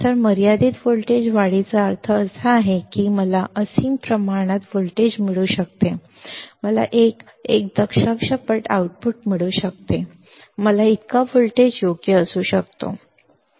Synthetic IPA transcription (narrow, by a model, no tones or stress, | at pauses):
t̪əɾməɾijad̪iːt̪fulʈed͡ʑʋaɽit͡saəɾt̪ʰəːsaːɦekiːməlaʔəsiːnpɾəmaɾɽ̃at̪fulʈed͡ʑmiɭuːɕək̚t̪e | məla̰ʔek | ek̚d̪əkʂəkʂəpəʈa̰uʈ̚puʈmiɭuːɕək̚t̪e | məlait̪kafulʈed͡ʑjoɡjəəsuːɕək̚t̪o̰